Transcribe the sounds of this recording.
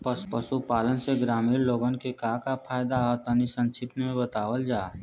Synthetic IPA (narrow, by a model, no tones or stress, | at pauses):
pəspəsupaːlənseɡɾaːmiːɾloːɡənkekaːɦkapʰaːjd̪aɦɔt̪ənisə̃nt͡ʃʰɪpnemẽbət̪aːwəld͡ʒaː